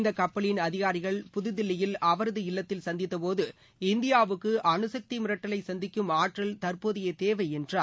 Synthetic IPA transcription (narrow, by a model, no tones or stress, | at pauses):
nd̪ɐkːɐpːɐɭɪnɐðɪɣaːɾɪɣɐɭpʊðɯðɪlːɪjɪlɐʋɐɾɐðɯɪlːɐt̪ːɪlsɐnd̪ɪt̪ːɐpoːðɯ | ɪnd̪ɪjaːʋɯkːɯʔɐnɯsɐk̚t̪imɪɾɐʈːɐlɐɪsɐnd̪ɪkːɯmaːʈrɐlt̪ɐɾpoːðɪjɐt̪eːʋɐɪɛndraː